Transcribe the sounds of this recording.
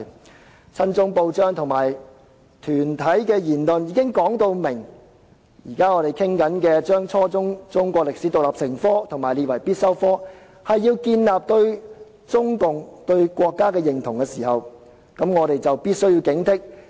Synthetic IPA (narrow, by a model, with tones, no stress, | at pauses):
t͡sʰɐ˥nt͡sʊ˥ŋpo˧wt͡ʃœː˥ŋt̪ʰʊ˨˩ŋmaː˨˩j | t̪ʰyː˨˩nt̪ʰɐ˨˥jkɛː˧jiː˨˩nlɵ˨njiː˨˥kɪ˥ŋkɔː˨˥ŋt̪o˧wmɪ˨˩ŋ | jiː˨˩kaː˥ŋɔː˨˧ɾe˨jkʰɪ˥ŋkɐ˨˥nkɛː˧t͡ʃœː˥ŋt͡sʰɔː˥t͡sʊ˥ŋt͡sʊ˥ŋkʷɔː˧k̚lɪ˨k̚si˨˥t̪ʊ˨k̚laː˨p̚sɪ˨˩ŋfɔː˥t̪ʰʊ˨˩ŋmaː˨˩jliː˧t̚wɐ˨˩jpiː˥t̚sɐ˥wfɔː˥ | hɐ˨jːiː˧wkiː˧nlaː˨p̚t̪ɵ˧ɥ | t͡sʊ˥ŋkʊ˨ŋt̪ɵ˧ɥkʷɔː˧kːaː˥kɛː˧jɪ˨˩ŋt̪ʰʊ˨˩ŋkɛː˧siː˨˩hɐ˨w | kɐ˨˧˥mŋɔː˨˧ɾe˨jt͡sɐ˨wpiː˥t̚sɥjiː˧wkɪ˨˥ŋt̪ʰɪ˥k̚